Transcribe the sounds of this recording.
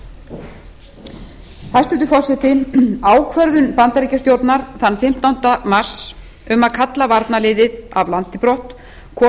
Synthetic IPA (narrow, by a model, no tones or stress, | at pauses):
θast̪ʏnt̪ʏfɔrsɛht̪ɪaːwkʰvœɾðʏnpant̪aɾiːcast̪jowɾt̪naɾ̥θanːfɪm̥t̪awnt̪amar̥s | ʏmaðkʰat̪lavaɾt̪nalɪːðɪða̰vlant̪ɪpɾɔht̪ | kʰɔː